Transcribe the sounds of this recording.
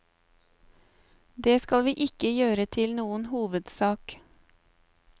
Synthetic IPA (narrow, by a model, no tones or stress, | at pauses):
d̪eːskɑlʋiːʔɪkəjøːɾət̪ʰɪlnuːənhuːʋəd̪sɑːk